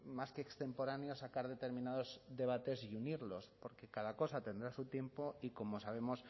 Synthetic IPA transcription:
maskeːkst̪e̞mpo̞ɾanjo̞sakaɾðe̞t̪e̞ɾmĩnað̞o̞zðe̞β̞at̪e̞siuniɾlo̞spo̞ɾke̞kaðako̞sat̪e̞nd̪ɾasut̪je̞mpo̞iko̞mo̞saβ̞e̞mo̞s

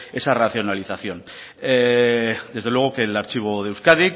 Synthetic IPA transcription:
e̞saraθjo̞naliθaθjo̞n | d̪e̞zð̞elwe̞ɣ̞okelaɾt͡ʃiβ̞o̞ðe̞wskaðik

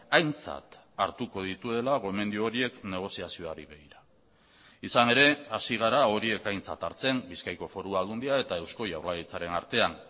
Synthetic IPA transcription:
ajnt͡sa̰t̪ | a̰ɾt̪uko̞ðit̪uðe̞laɣo̞me̞nd̪iooɾie̞kne̞ɣ̞o̞siasio̞aɾiβe̞ɣiɾa | isane̞ɾe̞asiɣ̞aɾao̞ɾie̞kajnt͡sa̰t̪aɾt͡se̞mbiskajko̞fo̞ɾuaɣund̪iae̞t̪ae̞wsko̞jawɾlaɣit͡saɾe̞na̰ɾt̪e̞an

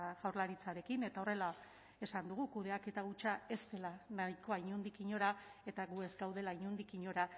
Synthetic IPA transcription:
ɣawɾlaɾit͡saɾe̞kine̞t̪ao̞re̞la | e̞sand̪uɣ̞ukuð̞e̞ake̞t̪aɣut͡ʃae̞st̪e̞lanajko̞aiɲund̪ikiɲo̞ɾae̞t̪aɣue̞zɡawðe̞laiɲund̪ikiɲo̞ɾa

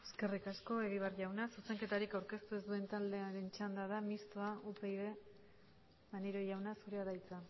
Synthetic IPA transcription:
e̞ske̞rikasko̞e̞ɣ̞iβ̞arʝawnasuse̞ŋke̞t̪aɾikawɾke̞st̪ue̞zd̪ue̞nt̪ald̪e̞aɾe̞nt͡ʃand̪aðamist̪oaʔupeiðe | maneɾo̞ʝawnasuɾeaðajt͡sa

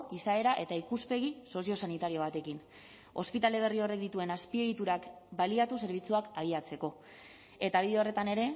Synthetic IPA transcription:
isae̞ɾaʔe̞t̪aikuspe̞ɣ̞iso̞sio̞sanit̪aɾio̞β̞at̪e̞kin | o̞spit̪ale̞β̞e̞rio̞re̞k̚d̪it̪ue̞naspie̞ɣit̪uɾak | baliat̪use̞ɾβ̞it͡suakaɣiat͡se̞ko̞ | e̞t̪aβiðere̞t̪ane̞ɾe̞

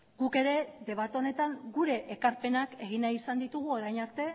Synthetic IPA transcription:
ɡuke̞ɾe̞ðe̞β̞at̪o̞ne̞t̪aŋɡuɾe̞ʔekaɾpe̞nake̞ɣ̞inaisand̪it̪uɣ̞uo̞ɾajnaɾt̪e̞

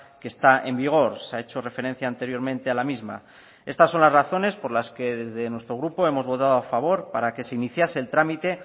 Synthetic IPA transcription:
ke̞st̪ae̞mbiɣ̞o̞ɾseae̞t͡ʃo̞re̞fe̞ɾẽ̞n̟θjaːnt̪e̞ɾjo̞ɾmẽ̞nt̪e̞alamizma̰ | e̞st̪asːo̞nlazraθo̞ne̞spo̞ɾlaske̞ðe̞zðe̞nwe̞st̪ɾo̞ɣɾupo̞e̞mo̞zβo̞t̪að̞oafaβ̞o̞ɾpaɾake̞se̞iniθjase̞ːlt̪ɾamit̪e̞

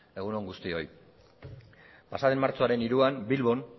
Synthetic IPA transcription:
e̞ɣ̞uno̞ŋɡust̪io̞j | pasaðenmaɾt͡so̞aɾe̞niɾuanbilβo̞n

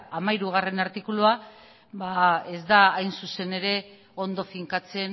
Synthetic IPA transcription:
amajɾuɣ̞are̞naɾt̪ikulua | bae̞zd̪aːjnsuse̞ne̞ɾe̞ | o̞nd̪o̞fiŋkat͡se̞n

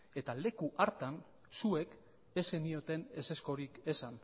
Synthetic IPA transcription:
e̞t̪ale̞kuʔaɾt̪an | sue̞k | e̞senio̞t̪e̞ne̞se̞sko̞ɾike̞san

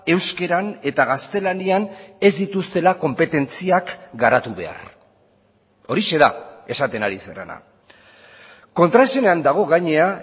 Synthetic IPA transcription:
e̞wske̞ɾane̞t̪aɣ̞ast̪e̞laniane̞zd̪it̪ust̪e̞lako̞mpe̞t̪e̞nt͡siakɡaɾat̪uβe̞̰a̰r | o̞ɾiʃe̞ðae̞sat̪e̞naɾisḛrḛna̰ | ko̞nt̪ɾaeseneand̪aɣ̞o̞ɣajɲe̞a

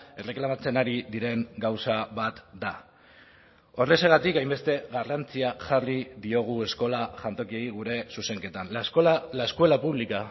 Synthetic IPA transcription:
e̞re̞klamat͡se̞naɾiðiɾe̞ŋɡawsaβat̪d̪a | o̞re̞se̞ɣat̪ikajmbe̞st̪e̞ɣarant͡siaʝariðio̞ɣ̞ue̞sko̞laʝant̪o̞kiejiɣ̞uɾe̞suse̞ŋke̞t̪anlaeskuwe̞lapuβlika

